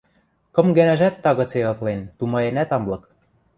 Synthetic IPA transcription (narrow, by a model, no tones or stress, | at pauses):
kɤ̆mɡænæʒæt̪ːɑɣɤ̆t͡seɤt̪lent̪umɑenæt̪ɑmblɤ̆k